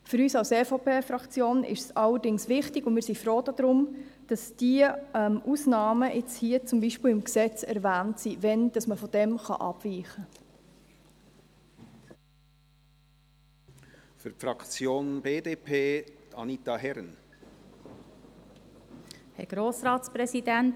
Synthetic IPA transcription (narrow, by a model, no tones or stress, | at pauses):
fʏɾyːsɑlseːfopʰeːfɾɑkt͡sjoːnʔɪ̰ʃsɑlːəɾdɪŋsʋɪχtɪɡ̥ʊnmɪːɾsifɾoːd̥ɑd̥̪ɾʊmd̥ɑsd̥iəɛmʔusnɑːməʔɪt͡shiət͡sʊmbiʃpɪlɪmksɛt͡sɛɾvæːntsivɛnd̥ɑsməfɔd̥ɛmχɑ̰ʔɑ̰b̥viːχə | fyɾfɾɑkt͡sjoːnbeːdeːpʰeːɑ̰nit̪ɑhɛɾn | hɛ̰ɡ̥ɾoːsɾɑːtspɾɛsidænt